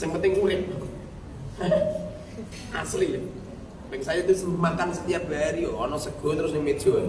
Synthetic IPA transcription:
sɪŋpənt̪ɪŋkuɾɪp̚ | a̰slij | bɛŋsajɔt̪usəmbəmakansət̪ijab̥a̤ɾijɔːnɔsəɡ̥ɔ̤t̪əɾʊs̬nɪŋmed̥ʒ̥ɔ̤

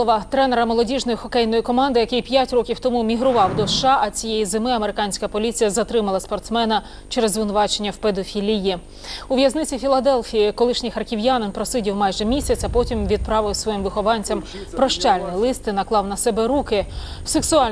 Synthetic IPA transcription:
ɔʋɐt̪ɾɛneɾɐmɔlˠɔdʲiʒnɔjixɔkɛjnɔjikɔmɑnd̪ɪjɐkɪjpʲjatʲɾɔkʲiwt̪ɔmumʲiɦɾʊʋɑwd̪ɔʃʃɑʔɐt͡sʲijejizɪmɪɐmeɾɪkɑnʲsʲkɐpɔlʲit͡sʲijɐzɐt̪ɾɪmɐlˠɐspɔrt̪smɛnɐ | t͡ʃɛɾɛzʋɪnʊʋɑt͡ʃenʲːɐwped̪ɔfʲilʲiji | uʋʲjɐznɪt͡sʲifʲilˠɐd̪ɛlʲˠfʲijikɔlˠɪʃnʲɪjxɐrkʲiʋjanɪnpɾɔsɪdʲiwmɑjʒɛmʲisʲɐt͡sʲɐpɔtʲimʋʲid̪̚pɾɑʋɪsʋɔjimʋɪxɔʋɑnʲt͡sʲɐm | pɾɔʃt͡ʃɑlʲnɪjlˠɪst̪ɪnɐklˠɑwnɐsɛbɛɾukɪwseksʊɑlʲ

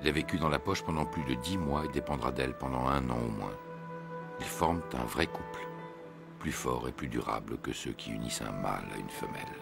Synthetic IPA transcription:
ilavekʲyd̪ɑ̃lapɔʃpɑ̃d̪ɑ̃plyd̪əd̪imwaed̪epɑ̃d̪ʁad̪ɛlpɑ̃d̪ɑ̃ɛ̃nɑ̰̃omwɛ̰̃ | ilfɔʁmt̪ɛ̃vʁɛkupl | plyfɔʁeplyd̪yʁa̰bləkəsøkʲʰiynisɛ̰̃ma̰la̰ynfəmɛ̰l

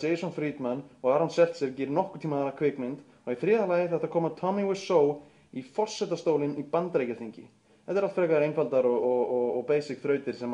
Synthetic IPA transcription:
ejsownfɾiːt̪manːɔɣaɾansɛl̥t̪sɛɾcɪːɾɪnɔhkʏ̥t̪ʰiːmaðɛɾakʰvɪːkmɪnt̪ | ɔɣiθɾɪːðalaːjɪθɛht̪aɾkʰɔːmat̪ʰɔmiwɪsow | ifɔr̥sɛt̪ast̪oːwlɪnipant̪ɾejcaθiɲcɪ̰ | ɛt̪ɪɾalt̪fɾɛːkaðɾejnfalt̪aɾɔɣɔɔɣɔpeːjsɪkθɾœːɥt̪ɪɾ̥sɛm

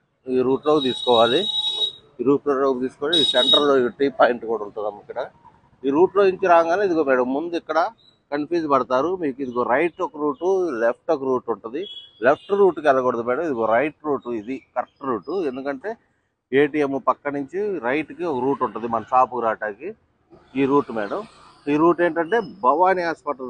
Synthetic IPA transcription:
iːɾuːʈlo̞ːkt̪̬iːsu̥kɔːʋaːli | iːɾuːʈloːoːkt̪iːsu̥kɔːʋaːlid̪iseɳʈɐɾɐlːoːikɐʈiːpaːjɳʈkɔːɽɐuɳʈuamikːɐɽɐ | iːɾuːʈlo̞ːiɲt͡ʃiɾaːkɐŋɡaːnɐid̪uɡoːmiːɽɐmːund̪uikːɐɽɐ | kɐnpjuːd͡ʒpɐɽɐt̪aːɾumiːkuid̪iɡo̞ːɾɐjʈɔkɐɾuːʈulep̚ʰʈɔkɐɾuːʈuɳʈund̪ilep̚ʰʈɾuːʈkɛlɐɡɔɽɐd̪umɛːɽɐmid̪uɡoːɾɐjʈɾuːʈuid̪ikɐɾʈɾuːʈue̞nd̪ukɐɳʈe̞ː | eːʈiemupɐkːɐnuɲt͡ʃiɾɐjʈkiɔkɐɾuːʈuɳʈund̪imɐnɐsaːpukɾaːʈaːki | iːɾuːʈumɛːɽɐm | iːɾuːʈeːɳʈɐɳʈe̞ːbɐʋaːniaːspɐʈ

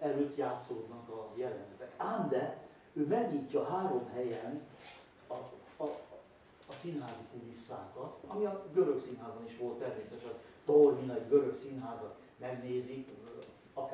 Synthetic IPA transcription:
ɛløːt̪jaːt̪soːd̪nɒkɒjɛlɛnɛt̪ɛkaːnd̪ɛ | øːmɛɡɲiːcːɒɦaːɾo̞mɦɛjɛn | ɒ | sinɦaːzikulisːa̰ːkɒt̪ɒmiɒɡøɾøksinɦaːzbɒniʃʋo̞lt̪ːɛrmeːsɛt̪ɛʃɒ | t̪orminɒiɡø̞ɾø̞ksinɦaːzɒk̪ | mɛɡneːzik | ɒk

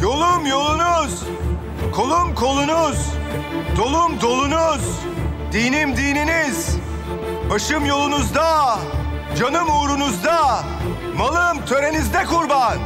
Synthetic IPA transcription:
jo̞lˠumjo̞lˠunuz̥ | kʰo̞lˠumkʰo̞lˠunuzd̪o̞lˠumd̪o̞lˠunuz | d̪iːnimd̪iːniniz | baʃɯmjo̞lˠunuzd̪a | d͡ʒanɯmuːɾunuzd̪a | malˠɯmt̪ʰø̞ɾe̞nizd̪ɛkʰuɾban

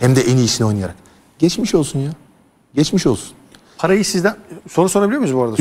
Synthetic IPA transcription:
hɛmd̪ɛʔeniːʃino̞jnɯjaɾak | ɟ̥ɛt͡ʃmiʃo̞lˠsunja | ɟɛt͡ʃmiʃo̞lˠsu̥n | pʰaɾajɯsizd̪ænsonusoɾabilʲijomnuzbuaɾad̪a

